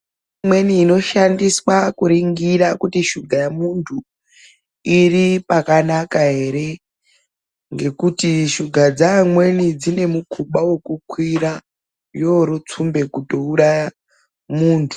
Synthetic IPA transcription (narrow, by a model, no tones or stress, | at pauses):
mwe̞niːno̞ʃandiswakuɾiŋɡiɾakutiʃuɡʱajamuntʰu | iripakanakaɦe̞ɾe̞ | ŋɡe̞kutiʃuɡʱad͡zamwe̞nid͡zine̞mukʰuɓawe̞kukwiɾa | jo̞ɾut͡sumbe̞kuto̞uɾaja | muːntʰu̥